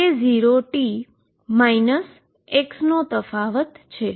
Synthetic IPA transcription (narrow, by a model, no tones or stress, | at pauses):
eziɾoʈi | mainəs | eksnot̪əfaʋət̪t͡ʃʰe